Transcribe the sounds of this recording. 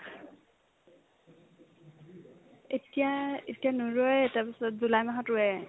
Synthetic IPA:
etijaetijanuɹɔjɛtapisɔt̚zulajmaɦɔtʊɛ

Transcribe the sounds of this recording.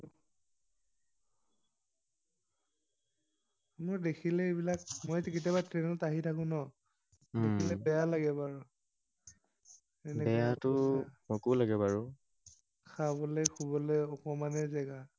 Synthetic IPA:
mɔɹdekʰilɛebilakmɔjziket̬jabatɹenɔtaɦitʰakʊ̃nɔ | deilɛbɛjalaɡɛbaɹɔ | enɛbɛjatʊmɔkulaɡɛbaɹu | kʰabɔlejxʰubɔlɛɔkɔmanɛzɛɡa

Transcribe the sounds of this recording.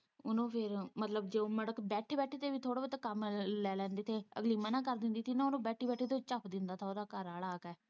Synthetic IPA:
ʊnõːpʰɪɾmət̪ləbd͡ʒeːoːməɽəkbɛːʈʰeːbɛːʈʰeːt̪eːbiːt̪ʰoːɽaːbət̪akəmlɛːlɛ̃ːnd̪eːt̪ʰeːə̰ɡliːmənãːkəɾd̪ɪnd̪iːt̪ʰiːnãːʊnõːbɛːʈʰiːbɛːʈʰeːt̪ot͡ʃəpd̪ɪnd̪aːt̪ʰaːoːd̪aːkəɾaːlaːkɛː

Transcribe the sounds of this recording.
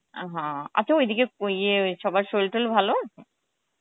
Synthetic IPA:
ɦãa̰tːɕʰaojd̪ʱikeojeʃɔbajʃolʈolbʱaloa

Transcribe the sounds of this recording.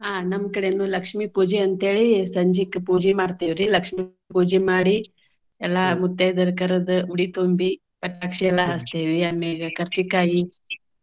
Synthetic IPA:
aːnɐmːkɐɽenulɐkʂmipuːd͡ʒeɐnt̪ɦeːɭisɐɲd͡ʒikːpuːd͡ʒemaːɽt̪iʋɾilɐkʂmi | puːd͡ʒemaːɽi | ɛlːamut̪ːejd̪ɐɾkɐɾɐd̪uuɽit̪oːmbi | pɐʈːaːkʂiɛlːaɦɐst̪eːʋiaːmeɡɐkɐɾt͡ʃikaːji

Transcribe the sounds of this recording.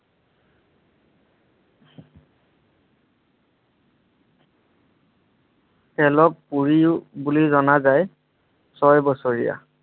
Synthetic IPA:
hɛlɔk̚puɹibulizɔnazaj | sɔjbɔsoɹḭja̰

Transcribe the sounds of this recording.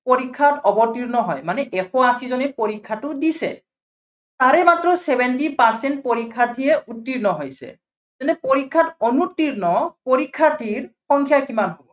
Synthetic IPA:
poɹikʰːatɔbɔtiɹnɔɦɔjmanɛʔɛxɔwasizɔnɛpoɹikʰːatʊdisɛ̰ | taɹɛmatɹɔsɛbɛntipaɹsɛnt̚poɹikʰːatʰiɛutːiɹnɔɦojsɛ̰ | zɛnɛpoɹikʰːatɔnutːiɹnɔpoɹikʰːatʰiɹxɔŋkʰjakimanɦobɔ

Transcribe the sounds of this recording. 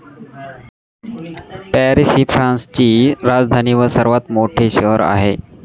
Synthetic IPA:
pæɾisifʰɾãnst͡ɕiːɾad͡zd̪ʱaniːʋəɾsəɾʋat̪moʈʰeɕəɦəɾa̰ɦe

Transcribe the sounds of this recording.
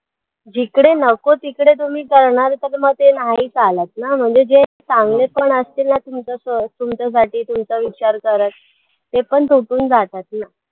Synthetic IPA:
d͡ʑikɽenəkot̪ikɽet̪̬um̤iːkəɾɳaɾt̪əɾməɡt̪enaɦiːt͡salət̪̚nam̤əɳd͡zed͡ʑet͡sãŋɡɭepəɳəst̪iːlnat̪umt͡səsət̪umt͡səs̬aʈiːt̪umt͡səʋit͡ɕaɾkəɾət̪̚ː | epəɳt̪uʈuːnd͡zat̪at̪na

